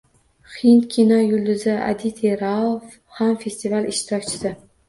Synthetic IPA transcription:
χint̪kʲʰinɒjʊld̪ɪzaa̰d̪it̪ʰeɾalf | hamfe̞st̪ivalɪʃt̪ʰɪɾɒk̚ʲt͡ʃʰɪ̥sɪ

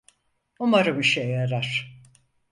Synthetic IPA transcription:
umaɾɯmiʃejaɾaɾ̥

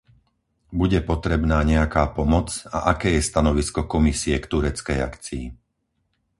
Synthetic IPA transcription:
buɟɛpɔt̪ɾɛbnaːɲɛakaːpɔmɔt͡sa̰ʔakɛːjɛst̪anɔʋiskɔkɔmisiɛkt̪uɾɛt͡skɛja̰kt͡siḭ

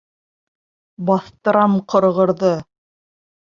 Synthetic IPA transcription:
bɑθt̪ɤ̆ɾɑmqɤ̆ɾʁɤ̆ɾðɤ

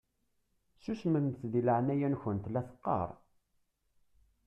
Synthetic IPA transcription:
susmənmθðiləʕnæjænçənt̪læθə̥qːɑ̰ɾˤ

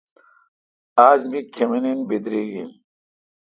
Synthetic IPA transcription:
aːd͡ʑmikʰemenenbed̪ɾiːɡḭn

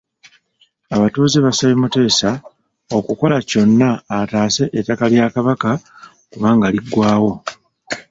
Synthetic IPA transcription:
aβatuːziβasaβemute̞ːsa | o̞kuko̞laco̞nːaːtaːse̞ʔetːakaljaːkaβaka | kuβaːŋɡaliɡːwaːwo̞

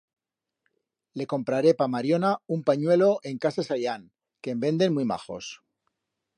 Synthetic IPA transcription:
le̞ko̞mpɾaɾe̞pamaɾjo̞naumpaɲwe̞lo̞ʔe̞ŋkasasajan | kembe̞nd̪e̞nmwujma̰χo̞̰s

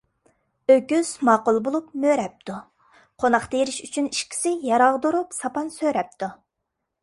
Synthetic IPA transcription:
økʲyz̥mɑːqʊlˠbolˠupmøɾɛp̚t̪ʰu | qʰonɑχt̪ejɪɾɪʃyt͡ʃʰyniʃkʲʰi̥sɪjɑɾɑʁd̪oɾupsɑpɑnsøɾɛp̚t̪ʰu

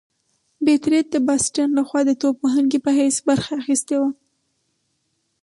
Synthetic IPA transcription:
bet̪ɾet̪̚d̪əbɑsʈɑnlaxwɑd̪ət̪opoɦəŋɡepəɦajsbaɾxaːxist̪ewa

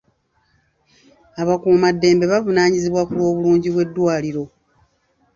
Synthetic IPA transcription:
aβakuːmadːe̞ːmbe̞βavunaːɲiziβwakulwo̞ːβuluːɲɟiβwe̞dːwaːliɾo̞

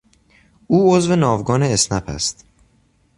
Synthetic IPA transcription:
ʔuːozve̞nɒːvɡɒːneːsnæpʰæ̰st̪

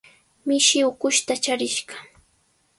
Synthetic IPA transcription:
mɪʃɪʊkʊʃt̪at͡ʃaɾɪʃɢɑ

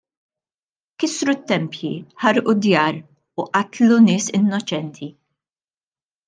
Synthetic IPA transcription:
kɪsɾut̪ːɛmpjḭħɐɾʔud̪jɐːɾ | ʊʔɐt̪lunɪːsɪnːɔt͡ʃɛnt̪ʰi

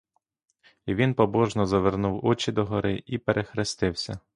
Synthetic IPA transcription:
iʋʲinpɔbɔʒnɔzɐʋernuwɔt͡ʃid̪ɔɦɔɾɪipeɾʔexɾɪst̪ɪwsʲɐ

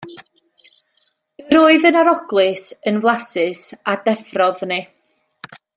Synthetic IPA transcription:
əɾoːɨðənaɾɔɡlˠɨsənvlˠasɨsadɛfrɔðnɪ

